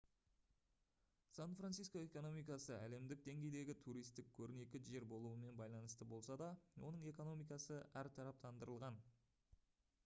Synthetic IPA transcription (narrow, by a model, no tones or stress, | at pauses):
sanfransijsko̞e̞ko̞no̞mijkɑsəʔæle̞md̪ɪk̚d̪e̞ŋɡʲe̞jd̪e̞ɡʲɪt̪ʰuɾijst̪ɪkʲʰɵɾɪne̞kʲɪʒe̞ɾbo̞lˠuəme̞nbɑjlˠɑnəst̪əbo̞lˠsɑd̪ɑwo̞̰nəɴe̞ko̞no̞mijkɑsəæɾt̪ʰɑɾɑp̚t̪ɑnd̪əɾəlˠʁɑn